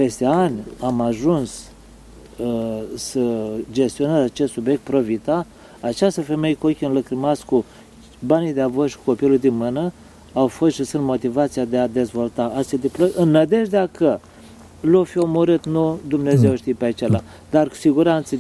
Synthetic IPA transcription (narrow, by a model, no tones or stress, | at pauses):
pe̞st̪e̞anʲamaʒuns | əsəd͡ʒe̞st̪io̞nəzat͡ʃe̞st̪subje̞k̚t̪̚pɾo̞vit̪a | at͡ʃast̪əfe̞mejekokʲiɨnləkɾɨmasku | banid̪eavoʃi̥ku̥ko̞pilujd̪inmɨnə | awfo̞st̪ʃisɨnt̪mo̞t̪ivat̪sijad̪ead̪e̞zvo̞lt̪aat̪ed̪ipləʔɨnːəd̪e̞ʒd̪eakə | lofio̞moɾɨt̪nud̪umne̞ze̞wʃt̪ipeat͡ʃela | d̪̥arku̥siɡuɾant̪sə